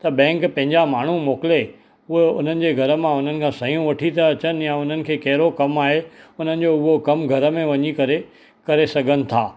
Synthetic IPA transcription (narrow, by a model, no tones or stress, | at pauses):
t̪ɐbɛ̃ːŋkpɐ̃ɦɪ̃ɲd͡ʑamaːɳ̤ũmoːkɪle | ʊɦeʊ̰n̤ənɪ̆d͡ʑeːɡʱɐɾə̆mãʊn̤ənɪ̆kʰãːsɐijũʋɐʈʰit̪ʰaɐt͡ɕənɪ̆jãʊn̤ənɪ̆kʰeːkɐɦɪɾokɐmaːɦeʊn̤ənɪ̆d͡ʑoʊɦokɐmɡʱɐɾə̆mẽʋɐɲikɐɾe | kɐɾesɐɡʱənɪ̆t̪ʰaː